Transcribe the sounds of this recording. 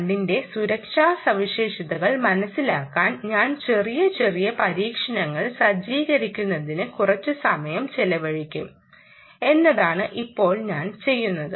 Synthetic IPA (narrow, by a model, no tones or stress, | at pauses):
ɳɖinde̞suɾɐkʂaːsɐʋiɕe̞ːʂɐðɐɣɐɭmɐnɐsːilaːkːaːnɲaːnt͡ɕe̞rijɐt͡ɕe̞rijɐpɐɾiːkʂɐnɐŋːɐɭsɐd͡ʑiːɣɐɾikʲːunːɐðinɨkurɐt͡ɕːɨsɐmɐjɐmt͡ɕelɐʋɐɻikʲːum | e̞nːɐðaːɳɨʔipːo̞ːɭɲaːnt͡ɕe̞jːunːɐðɨ